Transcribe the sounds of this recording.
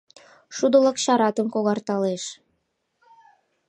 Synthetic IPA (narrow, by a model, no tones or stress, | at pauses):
ʃud̪ələkɕɑɾɑt̪əmkoɣɑrt̪ɑleʃ